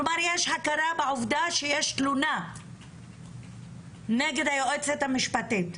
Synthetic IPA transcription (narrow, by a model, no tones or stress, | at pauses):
omaɾjeʃħakaɾabeʕuvd̪aʃejeʃtluna | neɡed̪ajoʔet͡set̪hamiʃpat̪it